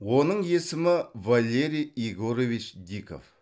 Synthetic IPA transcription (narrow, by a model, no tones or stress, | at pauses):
wo̞nəɴje̞sɪmɪvalʲe̞ɾʲijijɡoɾovit͡ʃd̪iko̞̰f